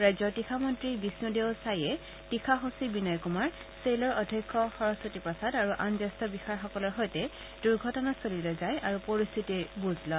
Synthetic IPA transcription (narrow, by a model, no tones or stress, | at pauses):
ɹajzɔtixʰamɔntɹibisnudeʊsajɛ | tixʰaɦosibinajkumaɹ | selɔɹʔɔdʱɔkʰːɔxɔɹɔsɔtipɔsadaɹuʔanzastɔbixaɹxɔkɔlɔɹɦɔjtɛ | d̥uɹɡʱɔtɔnasolilɔzajʔaɹupoɹist̪ʰitibuzlɔ